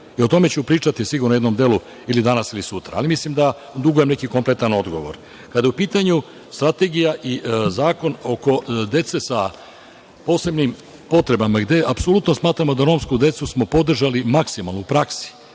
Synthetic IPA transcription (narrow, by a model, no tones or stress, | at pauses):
io̞t̪o̞me̞t͡ɕupɾiːt͡ʂat̪isiɡuɾnojed̪no̞md̪e̞lu | ilid̪anasilisut̪ɾa̰a̰ːlimislimd̪a | d̪uɡoje̞mne̞kikomplet̪ano̞d̪ɡo̞ʋo̞̰ɾ | kad̪ajeupiːt̪aɲu | st̪ɾat̪e̞ɡijaʔizaːko̞no̞ko̞d̪e̞t̪sesa | po̞ːse̞bnim | po̞t̪ɾe̞bamaɡd̪e̞ʔapsolut̪no̞smaːt̪ɾamo̞d̪aɾo̞ːmskud̪e̞t̪susmo̞po̞d̪r̩ʒalimaksimalnuupɾaksi̥